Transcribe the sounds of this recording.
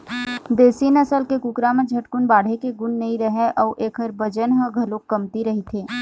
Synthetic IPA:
d̪eːsinəsəlkekʊkɾamẽd͡ʒʱɐʈkʊnbaːɽ̤ekeɡʊnːɐĩɾəɦeʔɔːʔeːkʰəɾbəd͡ʒənɦəɡʱəlokːɐmt̪iɾɐɦit̪ʰeː

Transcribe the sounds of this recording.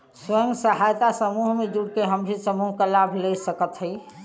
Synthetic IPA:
swəjəŋɡsəɦajt̪asəmuɦmed͡ʒuɽkeɦəmbʱisəmuɦkəlabʱlesəkət̪ɦəj

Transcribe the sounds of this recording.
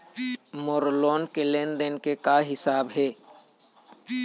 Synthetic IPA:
moɾloːnkelẽnd̪ənkekaɦɪsaːbɦeː

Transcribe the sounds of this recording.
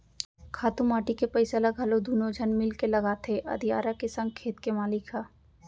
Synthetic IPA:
kʰaːt̪ũmaːʈikepɐɪsəlaɡʱɐlod̪ʱuːnõd͡ʒʱɐnmɪlkelɐɡaːt̪ʰeʔɐ̰d̪ʱija̰ːɾakesɐ̃ŋɡ̚kʰːeːt̪kemaːlikaː

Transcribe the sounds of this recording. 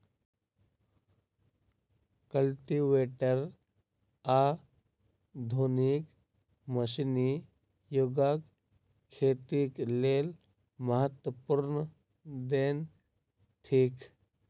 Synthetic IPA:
kɐlʈiʋeːʈəɾ | a | d̪ʱoːnik | məsini | joɡaːk | kʰːeːt̪ikleːl | məɦət̪wəpuɾnə | d̪eːn | t̪ʰiːk

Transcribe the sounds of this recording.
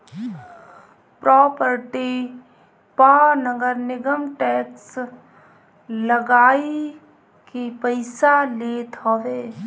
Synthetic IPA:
pɾɔːpəɾʈi | paːnəɡəɾnɪɡəmʈɛːks | ləɡaːi | kipəɪsaleːt̪ɦoʋeː

